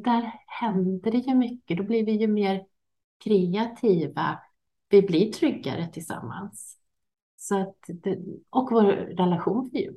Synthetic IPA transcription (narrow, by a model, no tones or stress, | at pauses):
d̪æɾhɛnd̪əɖɛjɵmʏkːəd̪ɔblɪɾvɪjɵmeːɾ | kʰɾɛat̪ʰiːva̰ | vɪblɪʈʰɾʏɡːa̰ɾət̪ʰɪlsa̰mːa̰ns | sɔat̪d̪ɛʔɔkvoːɾːɛlaɧuːnvɪj̰